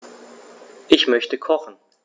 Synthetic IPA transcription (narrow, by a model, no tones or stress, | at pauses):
ʔɪçmœçtəkʰɔχn̩